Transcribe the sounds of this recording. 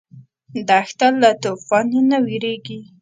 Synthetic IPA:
d̪axt̪allːat̪ofɑnenawiɾeɡi

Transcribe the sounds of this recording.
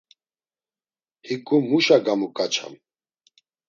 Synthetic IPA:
hikʼumuʃaɡamukʼat͡ʃʰa̰m

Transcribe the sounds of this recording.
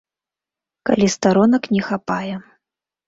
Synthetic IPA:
ka̰lʲist̪aɾɔnɐknʲɛxapajɛ

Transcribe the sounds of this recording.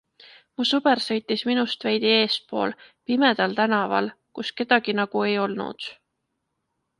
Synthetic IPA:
musɤb̥eɾsɤjt̪ːˑisminust̪vejd̪̥ie̞ːs̚po̞̰ːlpime̞d̪̥ɑlt̪ænɑvɑ̰lkuske̞d̪̥ɑɡ̥inɑɡ̥ue̞jo̞lnṵd̪̥

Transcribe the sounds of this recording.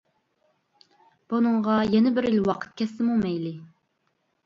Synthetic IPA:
b̥unɨɴʁɑjɛnɪbɪɾilwɑqʰə̥t̪̚kʲʰɛsːɪmumɛjlɪ

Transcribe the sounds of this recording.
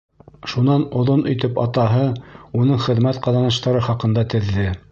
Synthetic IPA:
ʃunɑnŏðonɵ̆jt̪ɘpɑ̰t̪ɑɦɤunɤɴχɘ̆ðmæt̪qɑðɑnɤ̆ʃt̪ɑɾɤχɑqɤ̆nd̪ɑt̪ɘ̆ðːɘ

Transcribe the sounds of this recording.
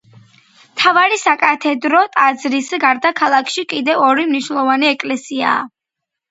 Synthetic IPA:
mt̪ʰavaɾisakʼat̪ʰɛd̪ɾɔt̪ʼad̪zɾisɡaɾd̪akʰalˠakʰʃikʼid̪ɛvɔɾimniʃnɛlˠɔvaniɛkʼlɛsia̰ː

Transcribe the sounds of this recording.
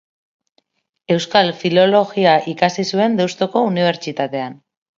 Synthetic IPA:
e̞wskalfilo̞lo̞ɣiaʔikasisue̞nd̪ewst̪oko̞uniβ̞e̞ɾt͡ʃit̪at̪e̞an

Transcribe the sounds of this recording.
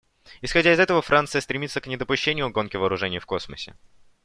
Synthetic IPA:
ɪsxɐdʲaɪzɛt̪əvəfɾʔant̪sɨjəst̪ɾʲɪmʲit̪səknʲɪd̪əpʊɕːenʲɪjʊɡo̞nkʲɪvəːɾʊʐɛnʲɪjfko̞sməsʲɪ̰

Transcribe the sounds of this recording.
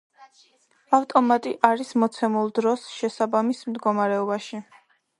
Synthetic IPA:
aft̪ʼɔmat̪ʼiʔaɾismɔt̪sʰɛmulˠd̪ɾɔsʃɛsabamismd̪ɡɔmaɾɛɔbaʃi

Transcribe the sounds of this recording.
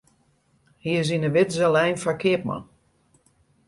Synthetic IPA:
hiəz̬inəʋɪtzɛlɛjnfakʰɪəpma̰n

